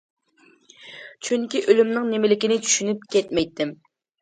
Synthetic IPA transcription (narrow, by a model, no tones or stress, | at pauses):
t͡ʃʰyŋkʲiʔølymnɪŋnemɪlɪkʲinɪt͡ʃʰy̥ʃynyp̚kʲɛt̪mɛjt̪ʰːɪm